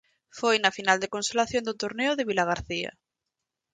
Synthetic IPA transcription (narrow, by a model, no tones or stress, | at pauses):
fojnɐfinald̪ekõnselaθjond̪ot̪oɾneʊðeβ̞ilaɣ̞aɾθia̰